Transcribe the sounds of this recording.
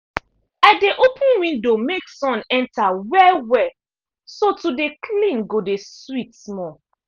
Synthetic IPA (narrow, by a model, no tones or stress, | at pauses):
aɪdeʔopʰũnwĩndomeksɔ̃nɛ̃ntʰawɛwɛ | sotudekʰlĩnɡodeswitsmɔ